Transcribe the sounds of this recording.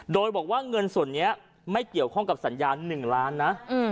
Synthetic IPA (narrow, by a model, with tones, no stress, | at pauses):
doː˧jbɔː˨˩k̚waː˥˩ŋɤ˧nsu˨˩ənːi˦˥ɐ | ma˥˩jki˨˩əwkʰɔ˥˩ŋka˨˩p̚sa˩˦njaː˧nːɯ˨˩ŋlaː˦˥nːa˦˥ʔ